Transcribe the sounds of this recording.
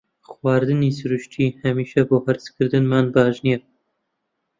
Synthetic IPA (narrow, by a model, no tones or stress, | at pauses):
xwɑːɾd̪ɨniːsɨɾɨʃt̪ʰiːhɛmiːʃɛboːhæɾskʰɨɾd̪ɨnmɑːnbɑːʒnijɛ